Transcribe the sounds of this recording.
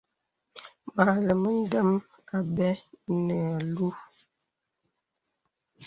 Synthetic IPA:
ma˨lə˨mə˦n̩˦də˦m | a˨bɛ˦nə˨a˨lu˦

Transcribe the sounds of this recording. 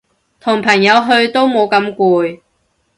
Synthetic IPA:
t̪ʰʊ˨˩ŋpʰɐ˨˩ŋjɐ˨˧wɦɵ˧ɥt̪o˥wmo˨˧wkɐ˨˥mkʷuː˧j

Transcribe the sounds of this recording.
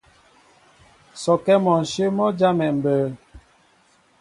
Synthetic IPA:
sɔ˨kɛ˦mɔ˨n̩˨ʃe˦mɔ˦d͡ʒa˦mɛ˨m̩˨bəː˨˦

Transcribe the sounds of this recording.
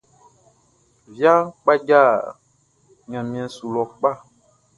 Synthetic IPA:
vja˦ŋk͡pa˦ɟa˦˨ | ɲã˨mĩ˨ɛ̃˨su˨lɔ˨k͡pa˦˨

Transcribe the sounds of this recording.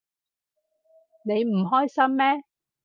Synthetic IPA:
ne˨˧jm̩˨˩ɦɔː˥jsɐ˥mːɛː˦˥

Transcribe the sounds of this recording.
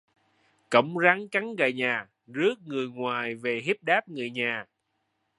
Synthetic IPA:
kə˧˩˦wŋ͡mza˨˦ŋka˨˦ŋɣa̰˧˨˩jɲaː˨˩ | zɨ˦˥ək̚ŋɨ˨˩əjŋwaː˨˩jve˨˩ɦi˦˥p̚ɗaː˦˥p̚ŋɨ˨˩əjɲaː˨˩

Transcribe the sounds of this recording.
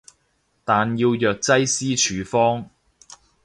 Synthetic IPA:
t̪aː˨njiː˧wjœː˨k̚t͡sɐ˥jsiː˥t͡ʃʰyː˨˧fɔː˥ŋ

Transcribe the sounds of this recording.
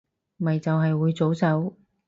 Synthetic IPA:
mɐ˨jt͡sɐ˨wɦɐ˨jwuː˨˧jt͡so˨˥wsɐ˨˥w

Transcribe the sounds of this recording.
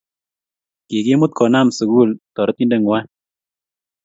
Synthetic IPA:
ki˨ki˦mʊ˦t̪̚kɔ˨na˦˨msu˨ɡu˦˨lt̪ɔ˨ɾt̪i˦nde˦ŋwa˦

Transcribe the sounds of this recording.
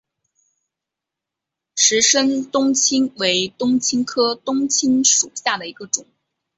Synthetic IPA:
ʂɻ̩˧˥ʂə˥nt̪ʊ˥ŋt͡ɕʰi˥ŋwe˧˥ɪt̪ʊ˥ŋt͡ɕʰi˥ŋkʰɤ˥t̪ʊ˥ŋt͡ɕʰi˥nʂu˨˩ɕja˥˩d̪ə˩i˧˥ɡə˧ʈ͡ʂʊ˨˩˦ŋ

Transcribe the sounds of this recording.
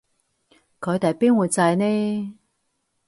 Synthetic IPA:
kʰɵ˨˧jt̪ɐ˨jpiː˥nwuː˨˧jt͡sa˧jnɛ˥

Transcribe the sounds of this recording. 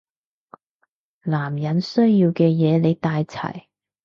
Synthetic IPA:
laː˨˩mjɐ˨˥nsɵ˥ɥjiː˧wkɛː˧jɛː˨˧le˨˧jt̪aː˧jt͡sʰɐ̰˨˩j

